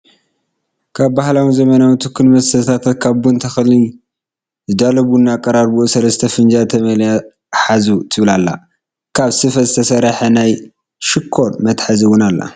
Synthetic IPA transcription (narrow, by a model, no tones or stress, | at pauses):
kʰaβbahlawizɐmɐnawit̪ʰɨkʰːɨnmɐsɐt̪ʰat̪ʰat̪kʰaβbunt̪ʰɐxli | zɨd̪alɐβunːakʼɐɾaɾbuʔsɐlɐst̪ʰɐfɨnd͡ʒat̪ʰɐmɐlja | ħazut̪ʰɨβlalːa̰ | kʰaβsɨfɐzɨt̪ʰɐsɐɾħɐnaj | ʃɪkʰːoɾmɐt̪ħaziwʊnalːa̰